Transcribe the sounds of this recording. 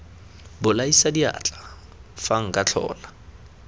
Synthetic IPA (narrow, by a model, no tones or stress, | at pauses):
bʊlaisadia̰ːt͡ɬʼa | faŋ̩kʼat͡ɬʰɔ̰ːla